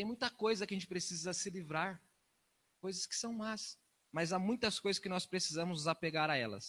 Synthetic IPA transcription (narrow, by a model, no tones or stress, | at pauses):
t̪ẽj̃mũj̃t̪ɐkojzɐkɪaɐʒẽnt͡ʃɪ̥pɾesizɐsɪlivɾaɾ | kojzɐskɪ̥sɐ̃w̃mas | mɐzamũj̃t̪ɐskojzɐskɪnɔspɾesizɐ̃mʊzapeɡaɾaɛlɐ̰s